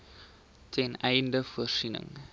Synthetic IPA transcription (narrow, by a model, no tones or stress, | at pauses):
tʰɛnɛjndəfuərsinə̰ŋ